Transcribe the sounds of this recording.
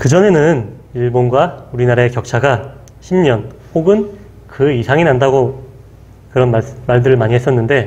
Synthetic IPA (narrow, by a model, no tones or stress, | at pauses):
kɯd͡ʑʌne̞nɯniɭbonɡwauɾinaɾaekjʌk̚t͡ɕʰaɡa | ɕʰimɲʌn | hoɡɯn | kɯisʰaŋinandaɡo | kɯɾʌnmamaɭdɯɾɯɭmaɲiɦes͈ʌnːɯnde̞